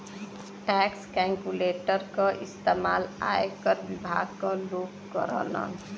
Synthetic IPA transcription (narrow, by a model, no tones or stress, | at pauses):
ʈɛkskaŋkuleʈəɾkʌʔist̪emala̰ekʌɾbibʱa̰ɡ̚kɔlokkʌ̰ɾə̰lʌ̰n